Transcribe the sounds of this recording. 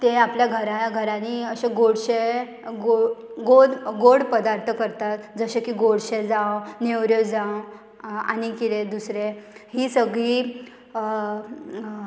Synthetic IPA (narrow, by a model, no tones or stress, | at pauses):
t̪eapljaɡʱəɾajaɡʱəɾãniəɕeɡoɽɕe | o | ɡoɽɡoɽpəd̪aɾt̪ʰəkəɾt̪at̪d͡zəɕekiːɡoɽɕed͡zãnewɾjod͡zãw | a̰nikiɾed̪usɾehiːsəɡɭiː